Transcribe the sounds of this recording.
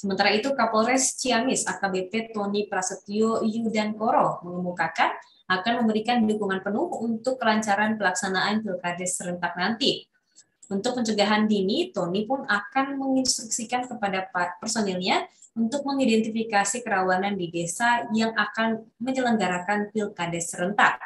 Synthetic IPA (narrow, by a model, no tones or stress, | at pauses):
səmənt̪aɾait̪ukapolɾɛst͡ʃiamɪsakabepet̪onipɾasət̪iojudankoɾoməŋəmukakan | akanməmbəɾikandidukuŋanpənʊhunt̪ʊkːəlaɲt͡ʃaɾanpəlaksanaankilkad̪ɛsəɾənt̪ak̚nant̪i | unt̪ʊk̚pəɲt͡ʃəɡaɦandinit̪onipʊnakanməŋinst̪ɾuksikankəpadapapərsonɛlɲaunt̪ʊk̚məŋidɛnt̪ifikasikəɾawanandidesajaŋʔakanməɲələŋɡaɾakanfilkadɛsəɾənt̪ak̚